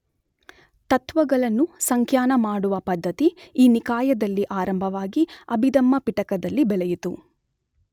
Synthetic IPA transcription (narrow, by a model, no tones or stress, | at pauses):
t̪ɐt̪ʋɐɡɐɭɐnːusɐŋkʰjaːnɐmaːɽuʋɐpɐd̪ʱːɐt̪iiːnikaːjɐd̪ɐlːiʔaːɾɐmbʱɐʋaːɡiɐbʱid̪ɐmːɐpiʈɐkɐd̪ɐlːibɛlɛjit̪u